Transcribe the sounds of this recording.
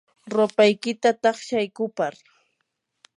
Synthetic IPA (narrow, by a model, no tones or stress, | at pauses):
ɾopajkɪt̪at̪ɑχʃajkʊpaɾ